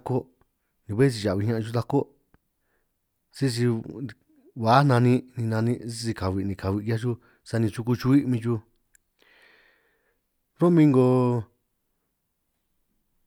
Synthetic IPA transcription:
ko˦ | nĩ˧βe˦s̬i˧˨a˨βi˧˦ɲã˦ʔt͡ʃu˦t̪a˧ko˦ | si˦s̬i˧ | βa˨˦nã˧nĩ˧nĩ˧nã˧nĩ˧i˦si˧ka˨βi˧˨nĩ˧ka˨βi˧ja˦t͡ʃu˦ | sa˧nĩ˧t͡ʃu˧ku˧t͡ʃu˧i˦mĩ˧t͡ʃu˧ | ɾo˦mĩ˧ŋɡo˧

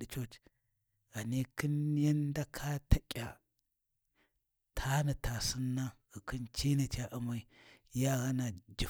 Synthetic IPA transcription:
i˨t͡ʃo˦t͡ʃ | ɣa˨ne˦ki˦n˦ja˦nda˦kʰa˦tʰa˨kʲʼa̰˨ | tʰa˦na˨ta˨sɨ˦nːa˦ɣə˨ki˦nt͡ʃi˦ni˨t͡ʃa˦ʔu˨ma˦i˨˦ja˦ɣa˦na˨d͡ʒi˨

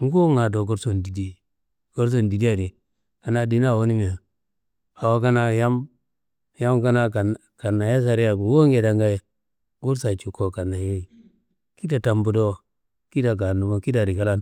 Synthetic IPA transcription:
ŋ˦ɡo˦ŋa˨do˨ɡo˦ɾso˨ndi˨di˦ | ɡ̥o˦ɾs̬o˨ndi˨di˦a˨ɾi˨ | ka˨na˦di˦na˦˨wo˦ni˦mi˨a˨ | a˨wa˦ka˦na˦ja˦m | ja˦mka˦na˦ka˨n | ka˨nːa˨ja˦s̬a˨ɾi˦ja˨bu˨wo˦ŋɡe˨da˨ŋɡa˦je˨ | ɡu˦ɾsa˨t͡ʃu˨kːo˨ka˨na˨je˦˨ | ki˦da˨ta˨mbu˦do˦ | ki˦da˨ɡa˨nu˨mo˦ki˦da˨ɾi˨ka˦la˦n

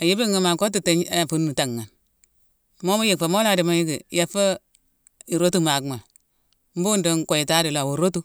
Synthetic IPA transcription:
a˨ji˦bi˦ŋːa˨ma˨ko˦tu˦te˦ɲa˦˨fu˦nː˦u˨ta˨ŋː˨a˨n | mo˦mo˦je˦˨k̚fa˨mo˦la˦˨di˨ma˦ji˦ɡi˨ja˨fa˦ | i˨ɾo˦tu˦ma˨kma˨ | m̩˦bu˦ndo˦ŋko˨ji˨ta˦di˨la˨wo˨ɾo˦tu˦

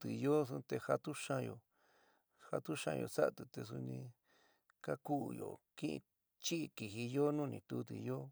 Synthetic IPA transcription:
t̪ɨ˨jo˦u˧t̪e˧ha˧t̪u˦ʃã˧jo̰˧ | ha˧t̪u˦ʃã̰˧jo̰˨sa̰˦˨t̪u˨t̪e˧s̬u˧nĩ˧ | ka˦ku˦˧˨jo̰˨kĩ˦ʔḭ̃˧ | t͡ʃi˦ʔi˧ki˨ɦi˧jo˦nũː˦nĩ˧t̪u˧˦t̪̬ɨ̰˨jo˦

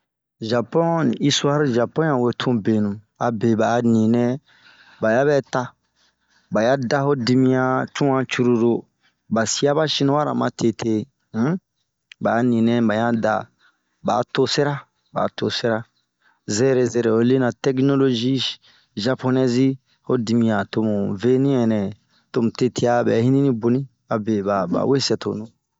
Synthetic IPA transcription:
ʒa˨pɔ̃˦n˨i˦su˦a˦ɾʒa˨pɔ̃˦n˦ã˨we˨tʰũ˦be˨nũ˨ | a˨be˨ba˨nĩ˨nɛ̃˦ | ba˨ja˦bɛ˦ta˦ | ba˨ja˦da˦ho˦di˧mĩ˦ã˧t͡ʃũ˦ã˦t͡ʃu˦ɾu˧ɾo˨ | ba˨si˦a˦ba˦ʃĩ˦nũ˦wa˦ɾa̰˨mã̰˨tʰe˨tʰe˦ | ba˨˦nĩ˨nɛ̃˨ba˨ɲã˦da̰˨ | ba̰˨to˦se˦ɾa˦ | ba̰˨to˨se˦ɾa˦ | zɛ˦ɾe˨zɛ˨ɾɛ˨o˦le˦nã˨tɛ˦kno˦lo˦ʒi˦ | ʒa˦po˦nɛ˦zi˦ | ho˦di˧mĩ˨a˨to˨mũ˨ve˦nĩ˦ɛ˨nɛ̃˨ | to˦mũ˨te˦tʰe˦a˦bɛ̰˨˦hĩ˦nĩ˦nĩ˦bo˨nĩ˦ | a˨be˨ba˨ba̰˨we˦sɛ˨to̰˨nũ˦

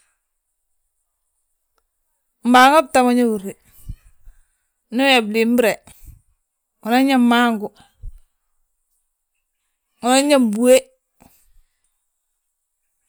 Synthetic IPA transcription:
m̩˨ba˨˦ŋa˦b̚ta˨ma˦ɲa˦wu˨ɾi˨ | nu˦a˨bli˨m˦bɾe˨ | u˨na˦ɲa˦mma˦ŋɡu˨ | u˨na˦ɲa˦m˨bu˨e˦

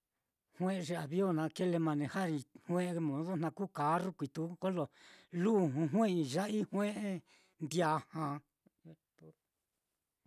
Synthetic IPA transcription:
hw̃ẽ˦ʔʐe˧a˨βjo˦˨nã˧ke˦le˧mã˧nẽ˧ha˦ɾi˧hwẽ˦ʔmõ˨ðo˦n̥ã˧kuː˦ka˨˦ru˦kʷi˨t̪u˦ko˦lo˨lu˦˧˨ɦũ˧ɦwẽ˦i˧ʒa˦ʔi˦hw̃ẽ˦ʔe˦ | nd̪ja˨hã˨˦

